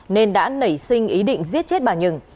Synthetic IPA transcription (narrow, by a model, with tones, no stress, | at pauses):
ne˧nɗa̰ː˧˥nə˧˩jsï˧ŋ̟ʔi˨˦ɗḭ̈˧˨ŋzi˦˥ət̚t͡ɕe˦˥t̚ɓaː˨˩ɲɨ˧˩ŋ